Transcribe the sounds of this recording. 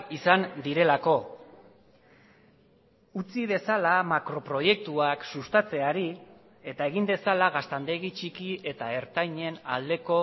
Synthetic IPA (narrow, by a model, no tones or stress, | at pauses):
isand̪iɾe̞lako̞ | ut͡sið̞e̞salamakɾo̞pɾo̞je̞k̚t̪uaksust̪at͡se̞aɾi | e̞t̪ae̞ɣ̞ind̪e̞salaɣast̪and̪e̞ɣit͡ʃikie̞t̪ae̞ɾt̪ajɲe̞na̰ld̪e̞ko̞